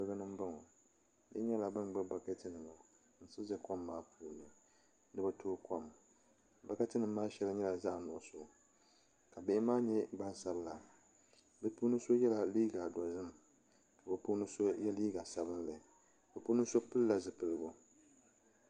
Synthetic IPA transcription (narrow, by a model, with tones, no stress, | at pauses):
bɨ˦ɡa˦nɨ˦m̩˦ba˦ŋo˨ | lɨ̰˦ɲɛ˦la˨bɨ˦nɡ͡bɨ˦ɡ͡ba˨ke˦tɨ˦nɨ˨ma˨ | n̩˦sɨ˦zɛ˦kɔ˦mːaː˦pʰuː˦nɨ˨ | nɨ˦bɛ˨tʰoː˦ko˦m | ba˨ka˦tɨ˦nɨ˨mːaː˦ʃɛ˦la˦ɲɛ˦la˨za˦ʔnʊ˨ʔʊ˦˨so˨ | ka˨bɛ˦ʔɪ˦maː˦ɲɛ˦ɡ͡ba˦nsa˦bla˨ | bɛ˦pu˦nɨ˦so˦jɛ˦la˨liː˦ɡa˨dɔ˨zɨ˦m | ka˨bɛ˨pu˦nɨ˦so˦jɛ˦liː˦ɡa˨sa˨bɨ˦nlɨ˨ | bɛ˨pu˦nɨ˦so˦pɨ˦lla˨zɨ˨pɨ˨lɨ˦bo˦